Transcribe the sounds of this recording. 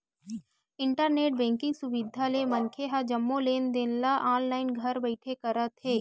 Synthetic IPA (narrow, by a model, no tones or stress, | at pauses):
ɪ̃ɳʈəɾneːʈ̚bɛ̃ːŋkɪ̃ŋɡsʊʋɪd̪ʱalemɐnkʰeɦad͡ʒɐmːoleːnd̪enlaʔaːnlaːɪnɡʱɐɾbəɪʈʰekɐɾət̪ɦeː